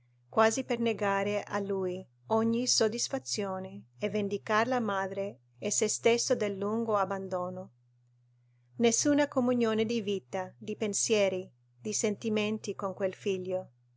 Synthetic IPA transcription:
kwaːziperneɡaːɾeʔa̰lːuj | ɔɲːisod̪isfat̪sːjoːneevend̪ikaɾlamaːd̪ɾe | ɛsest̪esːod̪elːuŋɡoabːand̪oːno | nesːuːnakomunjoːned̪ivit̪ad̪ipensjɛːɾi | d̪isent̪iment̪ikoŋkwelfiʎːo

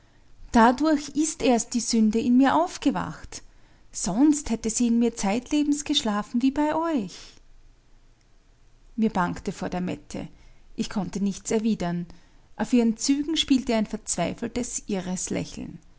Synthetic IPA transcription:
d̥adʊɐçɪstʔeːɐst̚d̥iːzʏndəɪnmiːɐʔaʊfɡ̥əva̰xt | z̥ɔnsthɛtəziːɪnmiːɐt͡saɪtleːbm̩sɡ̥əʃlaːfn̩viːbaɪʔɔʏç | miːɐbaŋktəfoːɐdeːɐmɛ̰tʰə̰ʔɪçkʰɔntənɪçt͡sɛɐviːdɐnʔaʊfʔiːʁənt͡syːɡŋ̩ʃpiːltəaɪnfɛɐt͡sv̥aɪfl̩təsʔɪʁəslɛ̰çl̩n̩

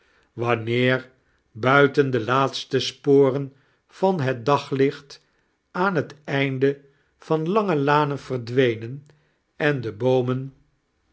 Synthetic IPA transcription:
ʋɑnɪːɹ | bœɥtəndəlaːtstəspoːrən | v̥ɑnɦɛt̚dɑχlɪχt | aːnɦətɛjndə | v̥ɑnlɑŋəlaːnənv̥ərdʋejnən | ɛndəbowmən

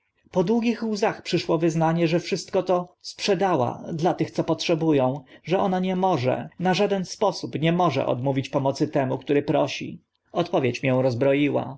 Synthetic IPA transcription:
pɔd̪wuɡʲixwzaxpʂɘʂwɔvɘznaɲɛʐɛfʂɘst̪̚kɔt̪ɔspʂɛd̪awa̰d̪lat̪ɘxt̪sɔpɔtʂɛbujɔ̃w̃ʐɛɔnaɲɛmɔʐɛ̰naʐad̪ɛnspɔsupɲɛmɔʐɛ̰ʔɔ̰d̪muvʲit͡ɕpɔmɔt̪sɘt̪ɛmukt̪uɾɘpɾɔɕḭ | ɔt̪pɔvʲjet͡ɕmʲjɛ̃w̃ɾɔzbɾɔjiwa̰

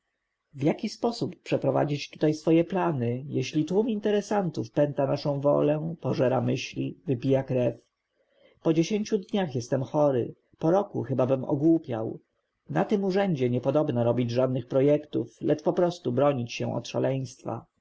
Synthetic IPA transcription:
vjakʲispɔsupːʂɛpɾɔva̰d͡ʑit͡ɕt̪u̥t̪ajsfɔjɛplanɘjɛɕlʲit̪wumint̪ɛɾɛsant̪ufpɛnt̪anaʂɔ̃w̃vɔ̰lɛpɔʐɛɾamɘɕlʲivɘpʲijakɾɛf | pɔd͡ʑeɕeɲʲt͡ɕud̪ɲaxjɛst̪ɛmxɔɾɘ̰ | pɔɾɔkṵxɘbabɘmɔ̰ɡwupʲja̰w | nat̪ɘmuʐɛɲd͡ʑɛɲɛpɔd̪ɔbnaɾɔbʲid͡ʑʐad̪nɘxpɾɔjɛkt̪ṵflɛt͡ʂpɔpɾɔst̪ubɾɔɲit͡ɕɕɛ̰̃ʔɔ̰t̪ʂa̰lɛj̃st̪fa̰

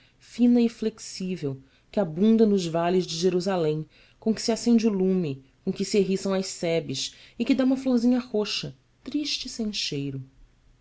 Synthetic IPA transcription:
fĩnɐɪfleksivew | kɪabũnd̪ɐnʊʒvalɪzd͡ʒɪʒeɾuzalẽj̃ | kõkɪ̥sɪasẽd͡ʒulũmɪ | kõkɪsieɦisɐ̃w̃ɐjʃsɛbɪʃɪkɪd̪aũmɐflohzĩɲɐhoʃɐ | t̪ɾiʃt͡ʃɪsẽj̃ʃejɾʊ

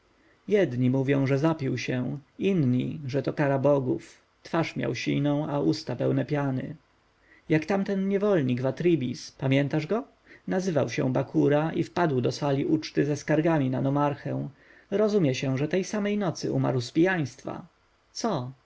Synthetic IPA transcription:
jɛd̪ɲimuvʲjɔ̃w̃ʐɛzapʲiwɕɛ̃inɲḭʐɛt̪ɔkaɾabɔɡuf | t̪faʂmʲja̰wɕḭnɔ̃w̃aʔust̪apɛwnɛpʲjanɘ̰ | jakt̪amt̪ɛnɲɛvɔlɲiɡvat̪ɾibʲḭspamʲjɛnt̪aʐɡɔ | nazɘvawɕɛ̰̃w̃bakʰuɾaʔifpad̪wd̪ɔsalʲiʔut͡ʂt̪ɘzɛskaɾɡamʲinanɔmaɾxɛ̃w̃ | ɾɔzumʲjɛɕɛ̃ʐɛt̪ɛjsamɛjnɔt̪sɘuma̰ɾwspʲijaj̃st̪fa̰ | t̪sɔ

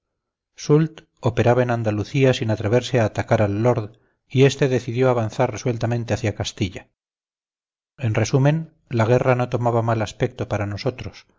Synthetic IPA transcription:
sult̪ | o̞pe̞ɾaβaenand̪aluθiasinat̪ɾe̞β̞e̞ɾseaːt̪akaɾalːo̞ɾð | ie̞st̪e̞ðe̞θiðjo̞aβanθarreswe̞lt̪ament̪e̞aθjakast̪iʎa | e̞nre̞sumẽ̞n | laɣ̞e̞rano̞t̪o̞maβamalaspe̞k̚t̪o̞paɾano̞so̞t̪ɾo̞s

